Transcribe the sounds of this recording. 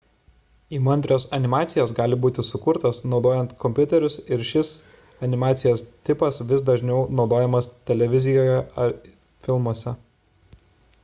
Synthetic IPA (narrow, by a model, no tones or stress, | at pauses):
imɐnʲd̪ʲɾʲoːsɐnʲɪmɑːt̪sʲɪjoːs̬ɡɑːlʲɪbuːt̪ʲɪsʊkʊɾt̪ɐsnɒʊd̪oːjɛnt̪kʰɔmʲpʲʊt̪ʲɛɾʲʊsɪɾʃʲɪs | ɐnʲɪmɑːt̪sʲɪjoːst̪ʲɪpɐsʋʲɪsd̪ɐʒʲnʲɛʊnɒʊd̪oːjɛmɐst̪ʲɛlʲɛʋʲɪzʲɪjoːjɛɐɾ | fʲɪlˠmuɔsʲɛ